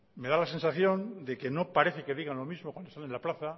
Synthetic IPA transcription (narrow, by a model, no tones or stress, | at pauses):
me̞ðalase̞nsaθjo̞nd̪e̞ke̞no̞paɾe̞θeke̞ðiɣanlo̞mizmokwand̪ost̪anenlaplaθa